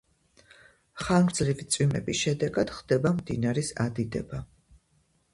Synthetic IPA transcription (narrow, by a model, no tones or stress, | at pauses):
χaɡɾd̪zlivit̪sʼwimɛ̰bisʃɛd̪ɛɡad̪̥χd̪ɛbamd̪inaɾisad̪id̪ɛba